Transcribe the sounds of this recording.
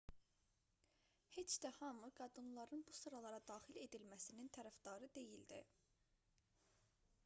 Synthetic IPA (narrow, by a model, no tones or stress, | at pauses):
he̞t͡ʃd̪æhɑmɯɡɑd̪ɯnlˠɑɾɯnbusɯɾɑlˠɑɾɑd̪ɑːxile̞d̪ilmæsinint̪ʰæɾæfd̪ɑɾɯd̪e̞jild̪ḭ